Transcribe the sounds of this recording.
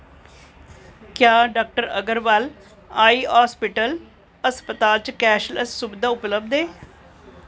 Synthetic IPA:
kjaːɖaːk̚ʈəɾə̰ɡəɾʋal | aːiːɦaːspɪʈəl | əspət̪aːlt͡ʃkɛːʃləssʊbd̪aːʊpləb̚d̪eː

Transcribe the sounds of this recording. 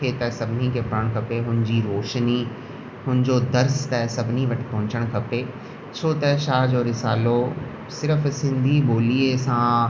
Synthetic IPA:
eːt̪ɐsɐbʱɪnikʰepɐɾəɽ̃kʰɐpeɦʊnɪd͡ʑiɾoːʃni | ɦʊnɪ̃d͡ʑoːd̪ɐɾst̪ɐɦsɐbʱɪniʋɐʈʰi̥pɐɦʊ̃t͡ɕəɽ̃kʰɐpeː | t͡ɕʰoːt̪ɐʃaːɦd͡ʑoːɾɪsaːlo | sɪɾəfsɪ̃nd̪ʱiboːliːesã

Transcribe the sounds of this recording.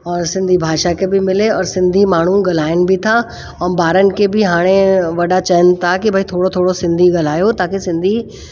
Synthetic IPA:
ɔːɾsɪ̃nd̪ʱibʱaːʃakʰebɪmɪleɔːɾsɪ̃nd̪ʱimaːɳ̤uɡɐl̤aːɪnɪ̆bɪt̪ʰa | ɔːnbaːɾənɪ̆kʰebɪɦaːɽ̃eʋɐɗat͡ɕɐənɪ̆t̪ʰakibʱɐit̪ʰoːɽot̪ʰoːɽosɪ̃nd̪ʱiɡɐl̤aːjot̪ãːkʰesɪ̃nd̪ʱi

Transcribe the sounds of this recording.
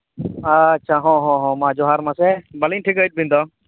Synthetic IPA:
atːʃʰaɦɔ̃ɦɔ̃ɦɔ̃mãd͡ʒɔɦaɾmãsɛbəlinʈʰikɦəjt̪̚bʱĩnd̪ɔ

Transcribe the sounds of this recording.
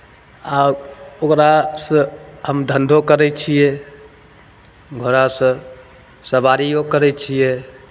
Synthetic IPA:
aokɾasə̃ɦəmd̪ʱənd̪ʱokəɾɛt͡ʃʰijɛ | ɡʱoɾasə̃ | səbaɾijokəɾɛt͡ʃʰijɛ

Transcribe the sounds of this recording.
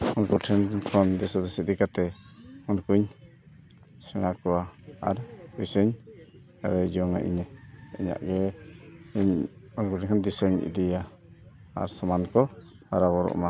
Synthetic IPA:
ɔnkuʈʰɛnkʰɔnd̪ɛsɔd̪ɛsid̪ikat̪ɛɔnkuɲ | sɛñakɔwaa̰ɾusəɲ | ɛd̪ajd͡ʒɔŋa̰ʔḭɲɛiɲa̰ʔɡɛ | ɲɔnkuʈʰɛnkʰɔnd̪isəɲḭd̪ija | a̰ɾsɔmankɔ | aɾaβɔɾɔ̰ʔma

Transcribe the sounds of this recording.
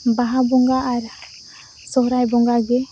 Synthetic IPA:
baɦabɔŋɡaːɾ | sɔɦɾajbɔŋɡaɡɛ

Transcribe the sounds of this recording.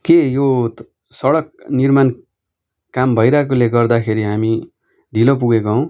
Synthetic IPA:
kejo | sʌɽʌk̚nirman | kambʱʌjɾak̬oleɡʌrd̪akʰeɾiɦami | ɖʱilop̬uɡekoõw̃

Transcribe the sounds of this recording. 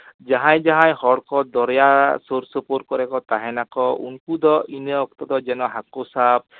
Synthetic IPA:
d͡ʒaɦãjd͡ʒaɦãjhɔɽkɔd̪ɔɾjasoɾsɔpoɾ̚kɔɾɛkɔt̪aɦɛnakɔṵnkud̪ɔʔineɔk̚t̪ɔd̪ɔd͡ʒɛnɔɦakosab̚

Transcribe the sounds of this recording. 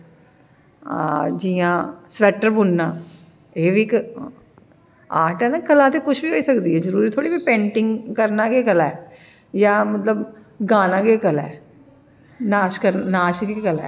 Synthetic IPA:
d͡ʒiːãːsʋɛːʈːəɾbʊnːaː | eːʋiːk | aːʈɛːnaːkəlaːt̪eːkʊt͡ʃʰbiːɦoːiːsəkd̪iːɛzəɾuːɾiːt̪ʰoːɽiːbiːpẽːɳʈɪŋɡkəɾnaːkeːkəlaɛː | jaːmət̪ləb | ɡaːnãːɡeːkəlɛ̰ː | naːʃkəɾnaːʃɡekəlɛ̰ː

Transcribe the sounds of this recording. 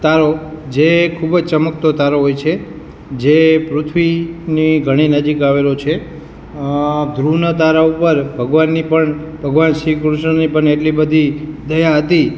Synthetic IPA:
t̪aɾod͡ʒekʰubd͡ʒt͡ʃəməkt̪ot̪aɾoɦojt͡ʃʰe | d͡ʒepɾut̪ʰʋiniɡʱəɽ̃inəd͡ʒikaʋelot͡ʃʰe | d̪ɾunət̪̬aɾaupəɾbʱəɡʋanːipəɳ | bʱəɡʋanʃikɾuʃɳənipəɳeʈlibəd̪ʱid̪əjaɦət̪i

